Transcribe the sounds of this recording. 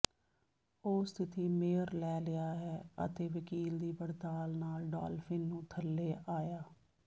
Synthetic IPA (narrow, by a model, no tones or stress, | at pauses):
oːst̪ʰɪt̪iːmeːəɾlɛːlɪaːɦɛːə̰t̪eːʋəkiːld̪iːbəɽt̪aːlnaːlɖa̰ːlfʰɪnːũːt̪ʰəlːeːʔaːjaː